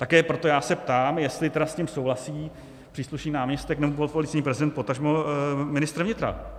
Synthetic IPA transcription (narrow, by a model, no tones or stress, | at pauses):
t̪akɛːpɾo̞t̪o̞jaːsɛpt̪aːmjɛst̪lɪt̪ɛdasɲɪmsowɦlasiː | pr̥iːsluʃniːnaːmɲɛst̪ɛknɛbobolfolɪt͡sɛɲiːpɾɛzɪdɛnt̪pot̪aʒmomɪnɪst̪ɾvɲɪt̪ɾa̰